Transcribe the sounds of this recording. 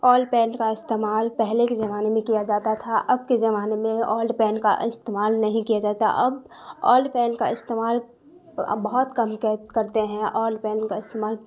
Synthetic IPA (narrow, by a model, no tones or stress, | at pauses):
ɔːlɖpɛːnkaɪst̪eːmaːlpɛɦlekezɐmaːnemẽkijad͡ʒaːt̪at̪ʰaʔɐb̚kezɐmaːnemẽɔːlɖpɛːnka̰ɪst̪eːmaːlnɐɦĩkijad͡ʒaːt̪a̰ʔɐb | ɔ̰ːlɖpɛːnka̰ɪst̪eːmaːl | bɐɦʊt̪kɐmkkɐɾt̪eɦɛ̃ʔɔːlɖpɛːnkaɪst̪eːmaːl